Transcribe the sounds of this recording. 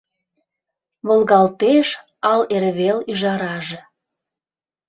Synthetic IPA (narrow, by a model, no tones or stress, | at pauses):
βolɣɑlt̪eʃ | ɑleɾβelyʒɑɾɑʒĕ